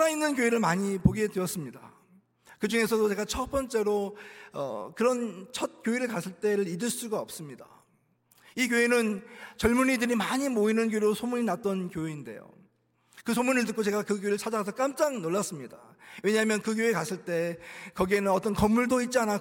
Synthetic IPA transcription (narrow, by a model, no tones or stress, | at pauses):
ainːɯnk̬joeɾɯɭmaɲipoɡe̞dweʌs͈ɯmɲida̰ | kɯd͡ʑuŋe̞sʰʌdot͡ɕe̞ɡat͡ɕʰʌp͈ʌnt͡ɕ͈e̞ɾoʌ̰kɯɾʌnt͡ɕʰʌt̚k͈joeɾɯɭkasʰɯɭt͈e̞ɾɯɾidɯɭs͈uɡaʌp̚s͈ɯmɲida | ik̬joenɯnt͡ɕʌɭmuɲidɯɾimaɲimoinɯnkjoeɾosʰomuɲinat̚t͈ʌnkjoeinde̞̰jo̰ | kɯsʰomunɯɭtɯk͈ot͡ɕe̞ɡakɯkjoeɾɯɭt͡ɕʰad͡ʑaɡasʰʌk͈amt͡ɕ͈aŋnoɭːas͈ɯmɲida̰we̞ɲaɦamjʌnkɯk̬joekasʰɯɭt͈e̞kʌɡie̞nɯnʌt͈ʌnkʌmːuɭdoit̚t͡ɕ͈iana